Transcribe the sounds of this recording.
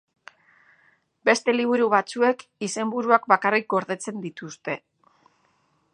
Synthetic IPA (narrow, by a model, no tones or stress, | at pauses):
be̞st̪e̞liβ̞uɾuβat͡sue̞kise̞mbuɾuak̚bakarik̚ɡo̞ɾðe̞t͡se̞nd̪it̪ust̪e̞